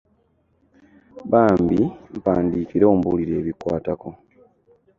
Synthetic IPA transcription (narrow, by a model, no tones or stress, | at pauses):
βaːmbim̩paːndiːkiɾo̞ːmbuliɾe̞ːβikwaːtako